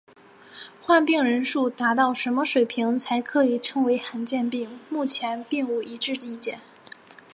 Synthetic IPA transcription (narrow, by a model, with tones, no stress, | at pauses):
xwa˥˧npi˥˩ŋɻə˧˥nʂu˥˩t̪a˧˥t̪ɑ˥˩ʊʂə˧˥nmə˧ʂwe˨˩ɪpʰi˧˥ŋt͡sʰa˧˥ɪkʰɤ˧˥i˨˩ʈ͡ʂʰɤ˧˥ŋwe˧˥ɪxa˧˥nt͡ɕjɛ˥˧npi˥˩ŋmu˥˩t͡ɕʰjɛ˧˥npi˥˩ŋu˧˥˩ʔi˧˥ʈ͡ʂɻ̩˥˩t̪i˧˥˩t͡ɕjɛ̰˨˩˦n